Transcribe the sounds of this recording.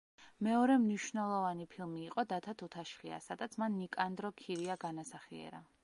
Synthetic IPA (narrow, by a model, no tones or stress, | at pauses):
mɛɔɾɛmniʃvnɛlˠɔvanipʰilˠmiːqʼɔd̪at̪ʰat̪ʰut̪ʰaʃχia̰sad̪at̪sʰmanːikʼand̪ɾɔkʰiɾiaɡanasaχiɛ̰ɾa